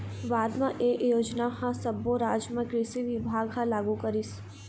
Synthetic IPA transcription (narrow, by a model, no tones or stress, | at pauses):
ʋaːd̪mãʔeːʔjoːd͡ʒnahãsɐboɾaːd͡ʒməkɾisiʋɪbʱaːɡɦãlaːɡukɐɾis